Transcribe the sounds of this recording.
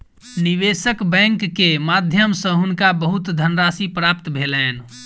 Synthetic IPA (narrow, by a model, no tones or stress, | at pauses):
niʋesəkbɛ̃ŋkːemad̪ʱjəmsə̃ɦunkabəɦut̪d̪ʱənɾasipɾap̚t̪bʱelɛn